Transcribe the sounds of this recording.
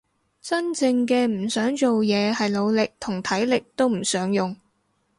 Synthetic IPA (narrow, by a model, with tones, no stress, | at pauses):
t͡sɐ˥nt͡sɪ˧ŋkɛː˧m̩˨˩sœː˨˥ŋt͡so˨wjɛː˨˧hɐ˨jlo˨˧wlɪ˨k̚t̪ʰʊ˨˩ŋt̪ʰɐ˨˥jlɪ˨k̚t̪o˥wm̩˨˩sœː˨˥ŋjʊ˨ŋ